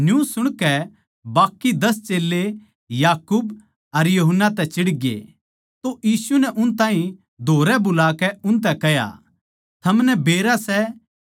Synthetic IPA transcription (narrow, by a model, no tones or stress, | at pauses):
njũsʊɽ̃kɛ | baːkːid̪ɐst͡ʃeːlːe | jaːkuːb | ɐɾjuɦənːat̪ɛt͡ʃɪɽɡḛ | t̪ojiːsunɛʔʊnt̪ãːɦĩ | d̪ʱoːɾɛbʊlaːkɛʊ̃nt̪̬ɛkɛja̰ | t̪ʰɐmnɛbeːɾasɛ